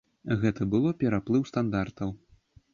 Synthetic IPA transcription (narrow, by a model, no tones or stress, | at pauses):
ɣɛt̪ɐbɨlˠɔpʲɛɾaplˠɨwst̪and̪art̪ɐw